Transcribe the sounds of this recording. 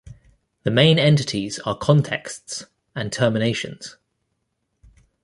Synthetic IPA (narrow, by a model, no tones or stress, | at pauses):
ðəmẽɪ̃nɛ̃ntɪtʰiz̥əkʰɒ̃ntʰɛ̰ksts | ə̃ntʰɜːmɪneɪʃə̰̃nz̥